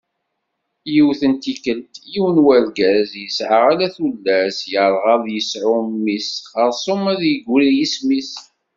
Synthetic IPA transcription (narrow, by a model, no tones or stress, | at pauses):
jiwθənt̪ikəlt̪jiwnwæɾɡæzjəsʕəʁalæθulːæsjəɾˤʁɑðjəsʕʊmːisχəɾˤsˤʊmæðjəɡʷɾijismis